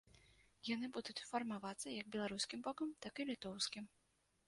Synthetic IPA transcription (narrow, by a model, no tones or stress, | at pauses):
janɨbud̪ut͡sʲfɐrmavat̪sːɐjɐɡ̚bʲɛlˠaɾuskʲimbɔkɐmt̪akilʲit̪ɔwskʲim